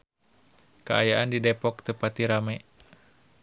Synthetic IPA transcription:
kəajaʔandidɛpɔk̚t̪əpat̪iɾamɛ

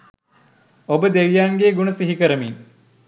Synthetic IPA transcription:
obəd̪eʋijaŋɡeːɡunəsiɦikəɾəmiŋ

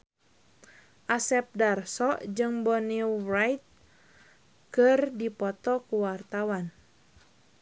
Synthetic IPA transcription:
ʔasɛp̚darsɔʔd͡ʒɨŋbɔnirajt̪̚ | kɨrdipɔt̪ɔkuwart̪awan

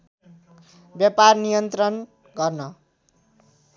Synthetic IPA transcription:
bjaparnijʌnt̪rʌn | ɡʌrnʌ

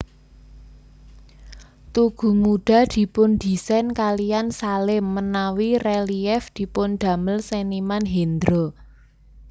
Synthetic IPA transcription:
t̪uɡ̥ṳmuɖ̥a̤d̪̥i̤pʊnd̪̥i̤sɛnkalijansalɪmːənawirɛliɛfd̪̥i̤pʊnd̪̥ä̤məlsenimanɦend̪ɾo

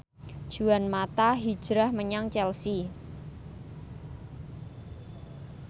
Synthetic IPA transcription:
d̥ʒ̥uanmat̪aɦi̥ʒ̥ɾahməɲaŋt͡ʃɛlsi

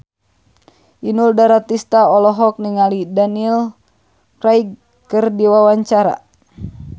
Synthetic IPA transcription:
ʔinuldaɾat̪ist̪aɔlɔɦɔk̚niŋalidanil | kɾaiɡ | kɨrdiwawaɲt͡ʃaɾa̰

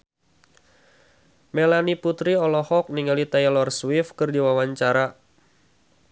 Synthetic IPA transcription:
mɛlaniput̪ɾiɔlɔhɔk̚niŋalit̪ajlɔrswifkɨrdiwawaɲt͡ʃaɾa

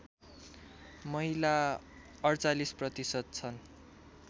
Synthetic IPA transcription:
mʌila | ʌrt͡salisprʌt̪isʌt̪̚t͡sʰʌn

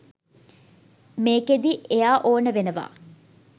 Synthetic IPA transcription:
meːked̪iʔejaːʔoːnəʋenəʋa̰ː

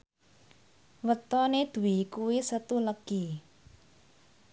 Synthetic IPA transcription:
wət̪ɔned̪̥ṳwikuwisət̪uləɡ̥i

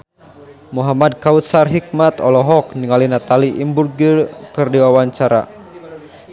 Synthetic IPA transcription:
muɦamad̚kaut̪sarɦik̚mat̪ɔlɔɦɔk̚niŋalinat̪aliʔimburɡirkɨrdiwawaɲt͡ʃaɾa̰

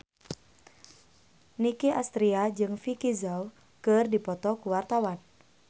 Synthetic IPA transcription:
nikiʔast̪ɾiad͡ʒɨŋfikizau | kərdipɔt̪ɔkuwart̪awan

